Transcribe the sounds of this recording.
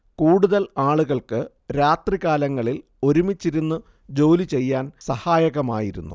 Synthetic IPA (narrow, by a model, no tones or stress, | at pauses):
kuːɽuðɐlaːɭuɣɐɭkɨ | ɾaːt̪riɣaːlɐŋːɐɭil | o̞ɾumit͡ɕːiɾunːɨ | d͡ʑo̞ːlit͡ɕe̞jːaːnsɐhaːjɐɣɐma̰ːjiɾṵnːṵ